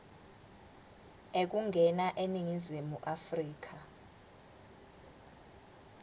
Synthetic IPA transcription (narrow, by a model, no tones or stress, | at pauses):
ek̬uŋɡʱɛnaʔeniŋizimuʔafriːk̬ʰa